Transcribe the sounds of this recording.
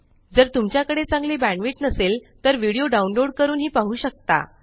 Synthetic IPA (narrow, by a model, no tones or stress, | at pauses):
d͡zəɾt̪umt͡ɕjakəɽet͡sãŋɡliːbæɳʋiʈnəselt̪əɾʋiɽijoɖaunloɽkəɾuːnɦiːpaɦuːɕək̚t̪a̰